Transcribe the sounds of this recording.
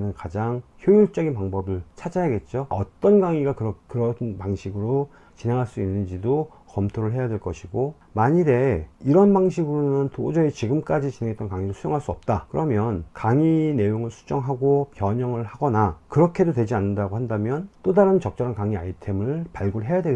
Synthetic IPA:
nɯnkad͡ʑaŋçjojuɭt͡ɕ͈ʌɡinpaŋbʌbɯɭt͡ɕʰad͡ʑajaɡe̞t̚t͡ɕ͈oʌ̰t͈ʌnɡaŋiɡakɯɾʌkɯɾʌnpaŋɕʰiɡɯɾo | t͡ɕine̞ŋɦaɭs͈uinːɯnd͡ʑido | kʌmtʰoɾɯɭɦe̞jadwe̞ɭk͈ʌɕʰiɡo | maɲiɾe̞iɾʌnbaŋɕʰiɡɯɾonɯntod͡ʑʌit͡ɕiɡɯmk͈ad͡ʑit͡ɕineŋet͈ʌnkaŋiɾɯɭsʰujoŋɦaɭs͈uʌp̚t͈akɯɾʌmjʌnkaŋine̞joŋɯɭsʰu̥d͡ʑ͈ʌŋɦaɡopjʌɲʌŋɯɭhaɡʌnakɯɾʌkʰe̞dotwe̞d͡ʑianːɯndaɡohandamjʌnt͈odaɾɯnt͡ɕʌk̚t͡ɕ͈ʌɾankaŋia̰itʰe̞mɯɭpaɭɡoɦe̞jadwe

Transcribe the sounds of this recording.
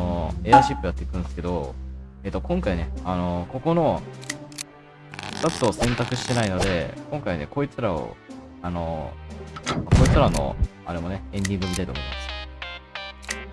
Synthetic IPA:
oe̞aɕipːɯ̟jat̪ːe̞ikɯ̟̃nd̪sɨ̥ke̞d̪o̞e̞ːt̪ːo̞kõ̞ŋkaine̞ano̞ko̞ko̞no̞ | kat͡sɨo̞sẽ̞nt̪akɯ̟ɕi̥t̪e̞naino̞d̪e̞kõ̞ŋkaine̞̰ko̞it͡sɨɾao̰ | ano̞ | mako̞it͡sɨɾano̞̰a̰ɾe̞mo̞ne̞ẽ̞nd̪ʲĩŋɡɯomʲit̪ait̪omimasɨ̥

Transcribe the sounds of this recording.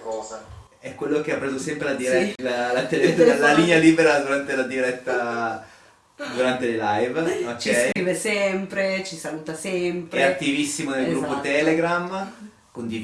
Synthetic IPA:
kɔ | ɛkwelːok̟eapːɾeːzosɛmpɾelad̪iɾɛlalat̪ellaliɲaliːbeɾad̪uɾant̪elad̪iɾɛt̪ːa | d̪uɾant̪elelajvokt͡ʃːɛjkɾiːvesɛmpɾet͡ʃisaluːt̪asɛmpɾɛat̪ːivisːimonelɡɾupːot̪ɛleɡɾam | kond̪i

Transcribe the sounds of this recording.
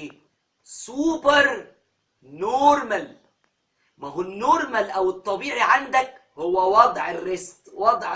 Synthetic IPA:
suːbɑɾˤ | noɾmæl | mæɦunːoɾˤmælʔæwɪt̪ˤːɑbiːʕiʕand̪æk | hʊwːæwɑd̪ˤʕɪrːesqwɑd̪ˤʕ

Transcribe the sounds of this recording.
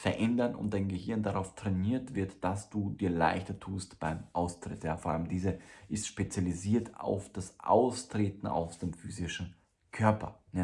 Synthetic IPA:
fɛɐʔɛndɐnʊ̰nt̚d̥aɪnɡəhɪɐndaʁaʊftʁ̥eniːɐtv̥ɪɐtd̥asd̥uːdiːɐla̰ɪçtɐtʰuːstb̥aɪmʔaʊstʁ̥ɪtjaːfoːɐʔa̰ləmdiːzəʔɪstʃpet͡sjaliziːɐtʰa̰ʊfd̥asʔa̰ʊstʁ̥eːtn̩a̰ʊsd̥eːmfyːzɪʃn̩ | kʰœɐpʰɐ̰ja

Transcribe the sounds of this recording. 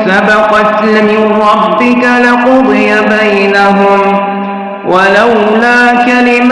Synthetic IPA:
sabɑqɑt̪mɪnɾɑbːɪkalɪqʊd̪ˤɪjabajnaɦʊm | wʔalawlaːkalɪm

